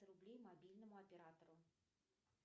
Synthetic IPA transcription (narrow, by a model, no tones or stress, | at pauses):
ɨɾublʲejmabʲilʲnɐmuɐpʲɛɾat̪ɐɾu